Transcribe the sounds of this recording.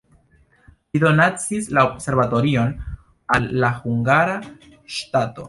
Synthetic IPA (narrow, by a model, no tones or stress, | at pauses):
lido̞nat͡sislaopse̞ɾbato̞ɾio̞n | alːahuŋɡaɾa | ʃtato̞̰